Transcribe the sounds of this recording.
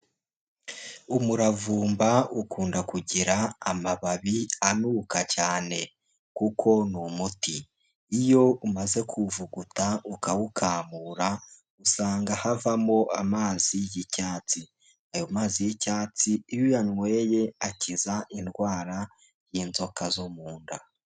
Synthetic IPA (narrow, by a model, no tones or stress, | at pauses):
umuɾavuːmbaukuːndakuɟiɾaamaβaβianukacaːne̞ | kukʰo̞numutiː | jo̞umaze̞kʰuvuɡutaukawukʰaːmuːɾa | usaːŋɡahavamo̞ʔamaːzijicaːt͡si | ajomaːzijicaːt͡siːjojanwe̞ːje̞acizaʔinɡwaːɾa | jinzo̞kazomuːnda